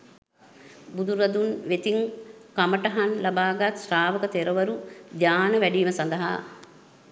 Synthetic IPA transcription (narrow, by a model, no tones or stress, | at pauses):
bud̪uɾɐd̪unʋet̪iŋkɐmɐʈɐɦɐnlɐbaːɡat̪ʃɾaːʋɐkɐt̪eɾɐʋɐɾud͡ʒ̪aːnɐʋɛɖijmɐsɐnd̪ɐɦa̰